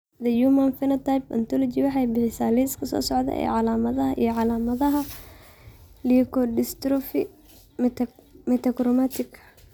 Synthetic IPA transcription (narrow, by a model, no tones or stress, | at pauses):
d̪ɐjumɐnfɪnɐt̪ajpɐ̰nt̪ʰɔlɔt͡ʃiwɑħɑjbɪħɪsaːliːskʰɐsɔ̰ːsɔʕd̪ɐ̰ʔɛ̰ːʕɑlaːmɐðɐɦɐʔḭjɔʕɑlaːmɐðɐɦɐ | likɔdɪst̪ɾɔfi | mɛt̪ʰɐkɾɔmat̪ʰɪkʰɐ̥